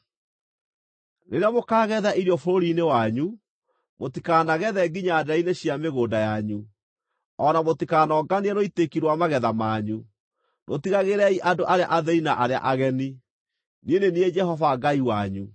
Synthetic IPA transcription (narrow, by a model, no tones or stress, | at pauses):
neɾeamokaːɣɛðaʔiɾjɔfoɾoɾinewaɲu | motikaːnaɣɛðɛɡiɲadaineɕiameɣoːdajaɲu | ɔnamotikaːnɔɡaniɛnoitekiɾwamaɣɛðamaɲu | nʔotiɣaɣeɾɛiʔadoʔaɾea̰ʔaðɛinaʔaɾea̰ʔaɣɛni | ninenied͡ʒɛhɔvaɡaiwaɲu